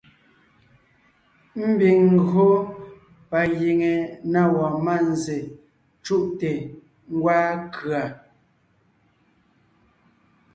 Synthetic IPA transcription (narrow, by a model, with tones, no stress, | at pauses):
m̩˦bi˨ŋŋ̩˦ɡo˦ | pa˨ji˨ŋe˨na˦˨wɔ˨ma˦˨n˨ze˨ | t͡ʃu˦ʔte˨ | ŋ̩˦ɡwaː˦kʰɰa˨